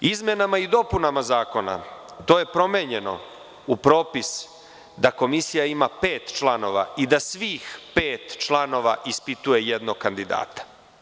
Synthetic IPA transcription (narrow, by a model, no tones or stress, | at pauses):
izme̞namaid̪o̞punamazaːko̞na̰ | t̪o̞ːje̞pɾo̞meɲe̞no̞̰ | upɾo̞ːpis | d̪ako̞misijaimape̞ːt̪t͡ʃlˠano̞ʋa̰id̪asʋiːxpeːt̪t͡ʃlˠano̞ʋa̰ʔispit̪uje̞jed̪noɡkand̪id̪a̰ːt̪ḁ